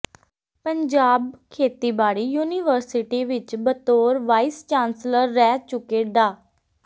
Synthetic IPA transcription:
pəɲd͡ʒaːbkʰeːt̪iːbaːɽiːjuːniːʋəɾsɪʈiːʋɪt͡ʃbət̪oːɾʋaːist͡ʃãːnsləɾːɛːt͡ʃʊkeːɖaː

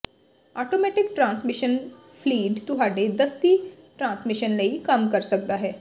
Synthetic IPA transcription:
aʈomɛʈɪk̚ʈɾãːnsmiʃən | pʰliːɖt̪uɦaɖed̪əst̪i | ʈɾãːnsmiʃənləiːkəmkəɾsək̚d̪aɦɛː

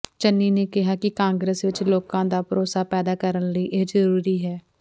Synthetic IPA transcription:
t͡ʃənːiːneːkɪɦaːkɪkãːŋɡɾəsʋɪt͡ʃloːkãːd̪aːpəɾoːsaːpɛːd̪aːkəɾənləiːʔeːd͡ʒəɾuːɾiːɦɛː

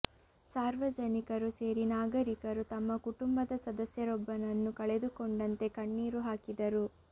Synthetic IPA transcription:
saːɾʋɐd͡ʒɐnikɐɾuse̞ːɾinaːɡɐɾikɐɾut̪ɐmːɐkuʈumbɐd̪ɐsɐd̪ɐsjɐɾɔbːɐnɐnːukɐɭed̪ukoɳɖɐnt̪e̞kɐɳːiːɾuɦaːkid̪ɐɾu

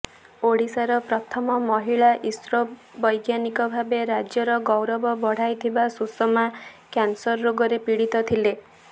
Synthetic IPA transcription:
oɽisaɾɔpɾɔt̪ʰɔmɔmɔɦiɭaʔisɾɔbɔjɡjanikɔbʱabeɾad͡ʒjɔɾɔɡɔwɾɔbɔbɔɽ̤ajt̪ʰibasusɔmakansɔɾːoɡɔɾepiɽit̪ɔt̪ʰile

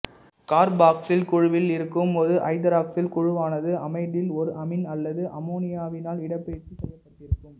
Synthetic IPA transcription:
kaːɾbaːksɪlkʊɻʊʋɪlɪɾɯkːɯmɔðɯʔɐɪd̪ɐɾaːksɪlkʊɻɯʋaːnɐðɯɐmɐɪðɪlɔɾɯʔɐmɪnɐlːɐðɯʔɐmoːnɪjaːʋɪnaːlɪɽɐpːeːt͡ʃːisɛjːɐpːɐʈːɪɾɯkpːɯm

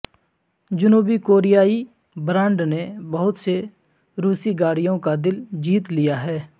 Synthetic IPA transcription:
d͡ʒʊnuːbikoːɾijaːi | bɾãːɳɖnebɐɦʊt̪se | ɾuːsiɡaːɽijõkad̪ɪld͡ʒiːt̪lijaɦɛː

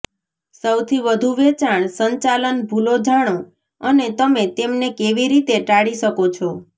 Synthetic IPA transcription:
səwt̪ʰiʋəd̪ʱuʋet͡ʃaɳ̃səɲt͡ʃalənbʱulod͡ʒaɽ̃o | ənet̪əmet̪emnekeʋiɾit̪eʈaɽiʃəkot͡ʃʰɔ

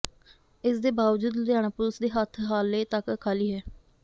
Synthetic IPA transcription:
ɪsd̪eːbaːʋd͡ʒuːd̪d̪jaːnaːpʊlsd̪eːɦət̪ʰɦaːleːt̪əkkʰːaːliːɦɛː

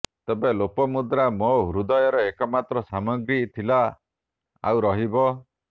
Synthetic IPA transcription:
t̪ebelopɔmud̪ɾamɔɦuɾud̪ɔjɔɾɔekɔmat̪ɾɔsamɔɡɾit̪ʰila | a̰wɾɔɦibɔ

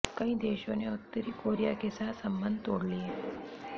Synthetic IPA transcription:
kɐĩːd̪eːʃõneʊt̪ːəɾiːkoːɾija̰kesat̪səmbənd̪̚ʱt̪oːɽlie

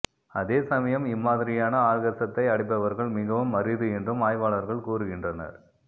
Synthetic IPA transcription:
ɐðeːsɐmɐjɐmɪmːaːðɪɾɪjaːnɐaːɻɣɐsɐt̪ːɐɪɐɽɪp̬ːɐʋɐɾɣɐɭmɪɣɐʋɯmːɐɾɪðɯɛndrɯmaːjʋaːɭɐɾɣɐɭkuːɾɯɣɪndrɐnɐ̰ɾ

